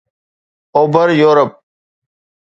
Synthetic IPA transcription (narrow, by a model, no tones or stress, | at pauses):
oːbəɾjoːɾəp̚